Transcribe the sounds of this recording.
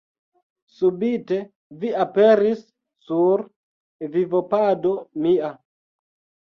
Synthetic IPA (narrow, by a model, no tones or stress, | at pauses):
subite̞ | viapeɾisː | uɾ | vivopado̞mia